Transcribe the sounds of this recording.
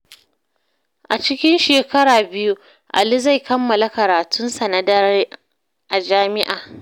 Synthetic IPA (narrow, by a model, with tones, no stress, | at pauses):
ʔa˨t͡ʃɪ˦kʲɪ˦nʃeː˨kɐ˦ɾaː˨bɪ˦ju˦ | ʔa̰˨li˦za˦˨jkɐ˦mːɐ˨la˦kɐ˨ɾaː˨tʰʊ˦nsɐ˨na˨dɐ˦ɾ | ʔa˨d͡ʒaː˦mɪ˦ʔaː˨